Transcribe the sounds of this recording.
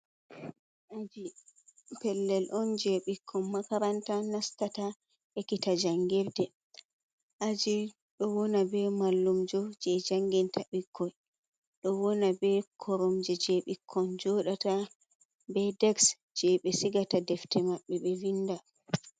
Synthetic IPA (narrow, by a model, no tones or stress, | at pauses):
ʔad͡ʒi | pɛlːɛlʔɔnd͡ʒɛɓikʰːɔnmakaɾantanastata | ekitad͡ʒaŋɡɛɾdɛ | ʔad͡ʒi | ɗɔwɔnabɛmalːumd͡ʒɔd͡ʒɛd͡ʒaŋɡɛntaɓikʰːɔj | ɗɔwɔnabɛkʰɔɾɔmd͡ʒɛd͡ʒɛɓikʰːɔnd͡ʒɔɗata | bɛdɛks | d͡ʒɛɓɛsiɡatadɛftɛmaɓːɛɓɛvinːda